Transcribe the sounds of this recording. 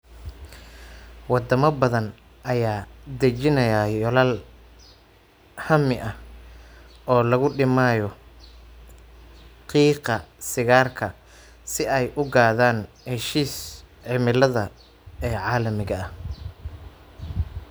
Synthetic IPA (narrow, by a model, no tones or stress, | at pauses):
wɑd̪ɐmɐbɐðɐn | ʔɐjaːd̪ɐt͡ʃɪnɐjajɔlal | hɐmɪʔɐh | ɔːlɐɣʊɖɪmaːjɔ | qiːqɐsɪɣaːrkʰɐ | sɪɛjʔʊɡaːðaːn | hɛʃiːs | ʕɪmɪlɐðɐ | ɛːʕɑːlɐmɪɣɐɐ